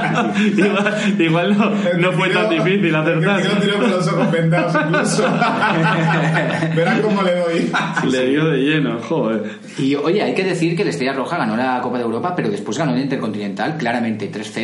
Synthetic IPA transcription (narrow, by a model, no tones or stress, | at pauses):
iɣwaliɣwalno | nofwet̪and̪ifiθilaθeɾt̪a | iɾoplosopend̪aspluso | beɾakomoleðojleβjoðeʝe̞noxoe | io̞ʝe̞ajke̞ðe̞θiɾkele̞st̪eʝaro̞xaɣano̞lako̞paðewɾo̞pape̞ɾo̞ð̞e̞spwe̞zɣanoelint̪eɾko̞nt̪inẽ̞nt̪alklaɾamẽnt̪e̞t̪ɾe̞sθe